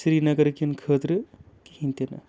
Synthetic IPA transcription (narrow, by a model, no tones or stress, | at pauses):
sɾinɐɡɐɾkinkʰət̪ɾɨ | ki̥hint̪inɐ̰